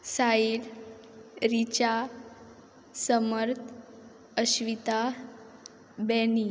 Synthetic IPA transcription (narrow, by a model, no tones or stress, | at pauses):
sail | ɾit͡ɕa | səməɾt̪ʰ | əɕʋit̪a | bɛni